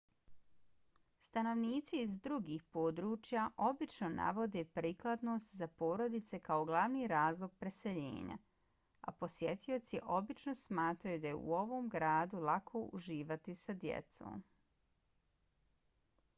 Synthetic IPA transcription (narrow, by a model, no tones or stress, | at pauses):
st̪ano̞ʋniːt̪siːzd̪ɾuɡiːxpo̞ːd̪ɾuːt͡ʃjaʔo̞bit͡ʃnona̰ʋo̞d̪e̞pɾiːklˠad̪no̞ːst̪zapo̞ːɾo̞d̪it̪se̞kao̞ɡlˠaʋniːɾaːzlˠo̞ɡ̚pɾe̞se̞ʎḛːɲa̰ | a̰po̞sjet̪io̞t̪siʔo̞bit͡ʃno̞smaːt̪ɾajud̪ajḛṵo̞ʋo̞ːmɡɾaːd̪ulakʰo̞ʔṵʒiːʋat̪isad̪jḛt̪so̰ːm